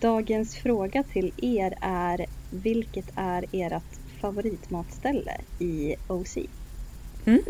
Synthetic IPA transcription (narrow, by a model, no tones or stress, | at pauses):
d̪̥ɑːɡənsfɾoːɡat̪ʰɪleːɾæɾvɪlkət̪ʰæɾeːɾat̪ | favʊɾiːt̪mɑːt̪st̪ɛlːə̰ɪosḭː